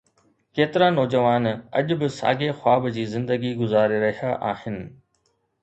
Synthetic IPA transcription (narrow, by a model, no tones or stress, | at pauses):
keːt̪ɪɾanɔːd͡ʑəʋaːnɐ̰ʄʊbɪsa̰ːɡexwaːbd͡ʑiːzɪ̃nd̪əɡiɡʊzaːɾeɾɐɦijaʔaːhɪnɪ̆